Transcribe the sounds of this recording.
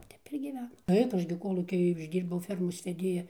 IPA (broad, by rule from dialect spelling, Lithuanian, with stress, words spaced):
ˈtʲɛp ɪr ɡʲiːˈʋʲæːnɐm ˈtɐɪp ˈɐʃ ɡʲɪ ˈkoːlˠuːkʲiː ɪʒʲˈdʲiːrbɐʊ ˈfʲɛrmoːs ʋʲɛˈdʲeːjɛ